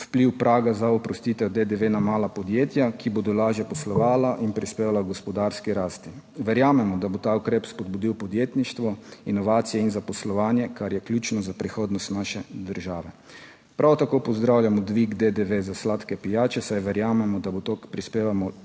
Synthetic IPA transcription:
wpliwpɾʔaːɡazaɔpɾɔst̪it̪ɛwd̪ed̪eʋenamaːlapɔd̪jeːt̪jakiboːd̪ɔlaːʒjapɔslɔʋaːlaʔinpɾispeːʋalaɡɔspɔd̪aɾskiɾaːst̪i | ʋɛɾjaːmɛmɔd̪abot̪aːukɾepspɔd̪̚bud̪iwpɔd̪jeːt̪niʃt̪ʋɔinɔʋaːt̪sijɛinzapɔslɔʋaːnjɛkaɾjɛklʲuːt͡ʃnɔzapɾixoːd̪nɔst̪naʃɛd̪əɾʒaːʋɛ | pɾʔawt̪akoːpɔzd̪ɾawljamɔd̪ʋiɡd̪ed̪eʋezaslaːt̪kɛpijaːt͡ʃɛsajʋɛɾjaːmɛmɔd̪abot̪okpɾispeːʋamɔ

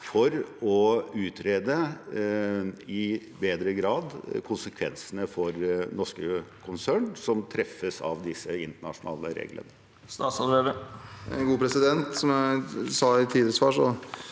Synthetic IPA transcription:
fɔɾɔʉːt̪ɾeːd̪ə | ɪbeːd̪ɾəɡɾɑːd̪kʰʊnsəkʰʋɛnsənəfɔɾnɔʂkəkʰʊnsæːɳsɔmt̪ʰɾɛfːəsɑ̰ʋd̪ɪsːəɪnt̪əɳɑ̰ʂʊnɑ̰ːlə̰ɾḛːɡlə̰nə | st̪ɑːt̪sɑlbeːʋə | ɡuːpʰɾɛsɪd̪ɛnt̪sɔmæsɑːɪt̪ʰiːd̪əsfɑːʂɔ

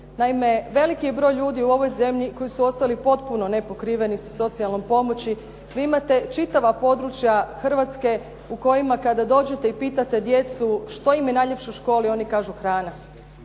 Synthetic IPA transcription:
naime̞ʋe̞likijebɾo̞ːjʎuːd̪iuo̞ʋo̞jze̞mʎiko̞jisuo̞st̪alipo̞t̪puno̞ne̞po̞kɾiːʋe̞nisaso̞t̪sialˠnompo̞mo̞t͡ɕi | ʋiimat̪e̞t͡ʃit̪aʋapo̞d̪ɾut͡ʃjaxr̩ʋat̪ske̞ | uko̞jimakad̪ad̪o̞ːd͡ʑe̞t̪e̞ipiːt̪at̪e̞d̪je̞t̪suʃt̪o̞imjenaːjʎe̞pʃeuʃko̞ːlio̞nikaːʒuxɾaːna

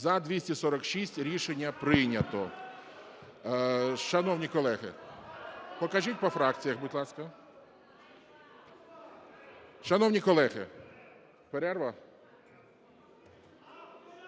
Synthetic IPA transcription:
zɐd̪ʋʲisʲtʲisɔɾɔkʃisʲtʲɾʲiʃenʲːɐpɾɪnʲɐt̪ɔ | ʃɐnɔwnʲikɔlˠɛɦɪ̰ | pɔkɐʒitʲpɔfɾɑk̚t͡sʲijɐxbʊdʲlˠɑskɐ | ʃɐnɔwnʲikɔlˠɛɣɪ | peɾɛrʋɐ

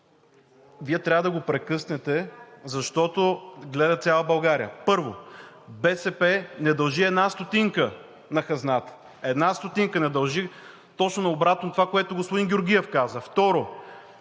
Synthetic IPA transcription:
viɛt̪ɾʲavəd̪ɐɡopɾɛkɤsnɛt̪ɛzɐʃt̪ɔt̪oɡlɛd̪ɐt̪sʲjalˠəbɐlˠɡaɾijəpɤɾvobɛsɛpɛnɛd̪ɐlˠʒiɛd̪nast̪ot̪iŋkə | nɐxɐznat̪ə̥ | ɛd̪nast̪ot̪iŋkənɛd̪ɐlˠʒi | t̪ɔt͡ʃnonɐobɾat̪not̪ovakoɛt̪ʊɡospʊd̪inɡʲoɾɡʲiɛfkazəft̪ɔɾo

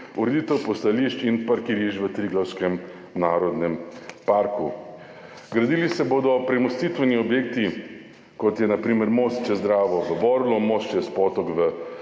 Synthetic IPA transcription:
uɾed̪iːt̪ɛwpɔst̪aliʃt͡ʃinpaɾkiɾiːʒʋət̪ɾiːɡlawskɛm | naːɾɔd̪nɛmpaɾku | ɡɾad̪iːlisɛboːd̪ɔpɾɛmɔst̪it̪ʋɛniɔbjeːkt̪i | kɔt̪jɛnapɾiːmɛɾmoːst͡ʃɛzd̪ɾaːʋɔʋəbɔɾlɔmost͡ʃɛspɔt̪ɔkʋə

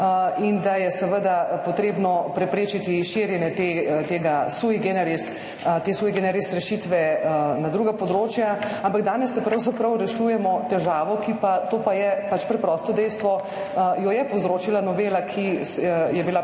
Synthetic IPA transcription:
ind̪ajɛsɛʋəd̪apɔt̪ɾeːbnɔpɾɛpɾeːt͡ʃit̪iʃiɾjɛnjɛt̪et̪eːɡasuiɡɛnɛɾis | t̪esuːjɡenɛɾisɾɛʃit̪ʋɛnad̪ɾuːɡapɔd̪ɾoːt͡ʃjaampaɡd̪aːnɛsːɛpɾɐwzapɾɐwɾɛʃujɛmɔt̪ɛʒaːʋɔkipat̪oːpajɛpat͡ʃpɾɛpɾɔːst̪ɔd̪ɛjst̪ʋɔ | jɔjɛpowzɾoːt͡ʃilanɔʋeːlakʰisjɛbila

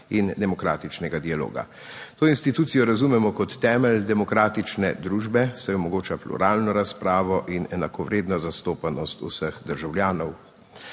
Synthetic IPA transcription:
ind̪ɛmɔkɾa̰ːt̪it͡ʃnɛɡad̪ialo̰ːɡa̰ | t̪oːinst̪it̪uːt̪sijɔɾazumɛmɔkɔt̪ːɛːmɛld̪ɛmɔkɾaːt̪it͡ʃnɛd̪ɾuːʒbɛsɛɔmɔɡoːt͡ʃaplṵɾaːlnɔɾaspɾaːʋɔʔinɛnakɔʋɾeːd̪nɔzast̪oːpanɔst̪ṵsəxd̪əɾʒawljaːnɔw

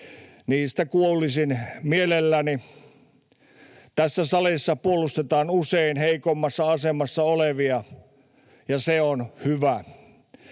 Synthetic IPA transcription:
niːst̪ækuolisinmielelːæni | t̪æsːæsɑlisːɑpuolust̪et̪ɑːnuseinheikomːɑsːɑɑsemɑsːɑoleʋiɑ | jɑseonhyʋæ

